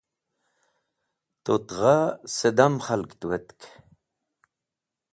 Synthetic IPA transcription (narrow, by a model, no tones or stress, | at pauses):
t̪ot̪ʁased̪amχalkt̪uwet̪k